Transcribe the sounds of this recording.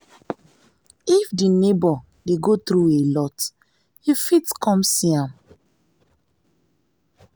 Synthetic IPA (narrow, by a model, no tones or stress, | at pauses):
ifdinebɔ | deɡotɾuelɔt | hifitkʰɔ̃msiãm